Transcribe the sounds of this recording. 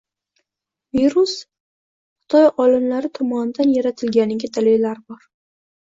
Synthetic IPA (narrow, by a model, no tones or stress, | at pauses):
viɾus | χɨ̥t̪ʰɒjɒlɪmlaɾɪt̪ʰɒmɒnɪd̪anjaɾat̪ʰɪlɡʲanɪɡʲɪd̪alejlaɾbɒɾ